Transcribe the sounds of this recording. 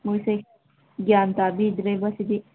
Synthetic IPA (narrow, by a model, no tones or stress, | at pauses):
mojse | ɡjaːnt̪aːbid̪ɾebɐsid̪i